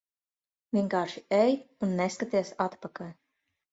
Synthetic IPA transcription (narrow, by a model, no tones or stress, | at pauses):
vʲiɛŋkaːɾʃiɛjunːɛskat̪iɛsat̪pakalʲ